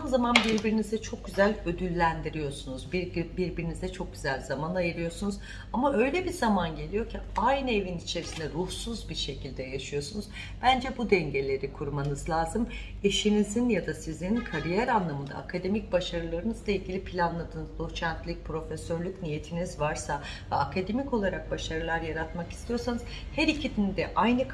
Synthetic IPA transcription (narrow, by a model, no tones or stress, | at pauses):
amzamanbiɾbiɾinizd̪ɛt͡ʃʰo̞k̚ɟyzælʲø̞d̪ylʲːænd̪iɾijo̞ɾsunuzbibiɾbiɾinizɛt͡ʃʰo̞k̚ɟyzælʲzamanajɯɾɯjo̞ɾsunuz | amaʔø̞jlʲebizamanɟe̞lʲijo̞cʰiajnɯevinit͡ʃʰe̞ɾisind̪ɛɾuhsuzbiɾʃe̞cʰilʲd̪ɛjaʃɯjo̞sunuz | b̥ænd͡ʒɛbud̪ɛɲɟe̞lʲe̞ɾikʰuɾmanɯzlʲˠaːzɯm | e̞ʃinizinjad̪asizininkʰaɾijæɾanlˠamɯnd̪a̰ːkʰad̪e̞mic̚baʃaɾɯlˠaɾɯnɯzlˠailʲɡɟʲilʲipʰilʲanlˠad̪ɯːnzot͡ʃʰænt̪lʲic̚pɾo̞fɛsøɾlʲycnije̞t̪ʰinizvaɾsavɛakʰad̪e̞mico̞lˠaɾak̚baʃaɾɯlˠaɾjaɾat̪maki̥st̪ʰijo̞ɾsanɯz̥ | hæɾicʰid̪ind̪ɛʔajnɯ